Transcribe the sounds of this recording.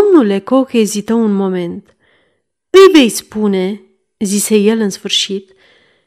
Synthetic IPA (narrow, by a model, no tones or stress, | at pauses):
omnulekokezit̪əwunmoment̪ | ɨjvejspune | zisejelɨnsfɨɾʃit̪